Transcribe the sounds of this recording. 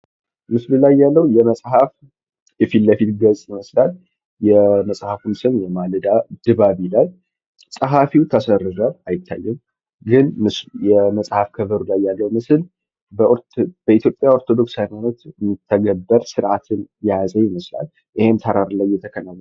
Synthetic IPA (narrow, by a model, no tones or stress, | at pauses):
mɨslulajːalːəhujɛməsʼɦaf | jɛfilləfit̪ɡəzʼjɪməslal | jɛməsʼhafunsɨnjɛmalɨd̪ad̪̥ɨβaβilal | sʼəɦafiwt̪ʰəsəɾɨɾəajɪt̪ʰːa̰jːɛm | ɡɨnmɨsljɛməsʼhafkʰəβəɾulajːalːəwumɨsl | bb̥əit̪ʰjo̞pʼːjao̞ɾt̪ʰo̞d̪o̞ksajmanət̪ɨmːit̪ʰːəɡəbːəɾsɨɾʔat̪ʰɨnjazəjɪməsla̰l | ʔihemt̪ʰəɾaɾlajːɛt̪ʰəkʰənaw